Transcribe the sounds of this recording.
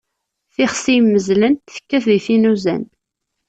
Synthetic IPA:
θɪχsijmːəzlənt̪θə̥kːæθðiθinuzæ̰n

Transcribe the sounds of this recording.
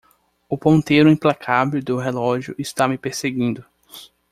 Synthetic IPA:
ʊpõnt̪ejɾʊĩplakʰavewd̪ʊɦelɔʒjʊʔɪst̪amɪpeɾseɡĩnd̪ʊ

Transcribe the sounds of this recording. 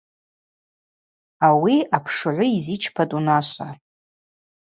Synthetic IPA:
awiapʰʂɨʕʷʊizit͡ʃʰpʰatʼunaʃʷa

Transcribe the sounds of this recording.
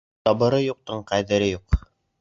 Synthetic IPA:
t̪ɒbɤ̆ɾɤjuq̚t̪ɤɴqæðɘ̆ɾɘjuq

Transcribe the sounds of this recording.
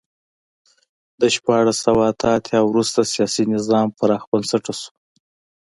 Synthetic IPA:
d̪əʃpɑɻasawaːt̪ʰaːt̪ʰjɑwɾust̪asijɑsinɪzɑmpaɾɑxbənsaʈasu̥

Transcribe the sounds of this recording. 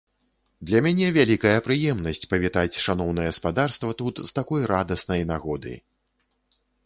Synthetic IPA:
d̪lʲɐmʲanʲɛvʲalʲikɐjɐpɾɨjɛmnɐsʲt͡sʲpɐvʲit̪at͡sʲʂanɔwnɐjɛɐspad̪arst̪vɐt̪ut̪zt̪akɔjɾad̪ɐsnɐjnaɣɔd̪ɨ̰j

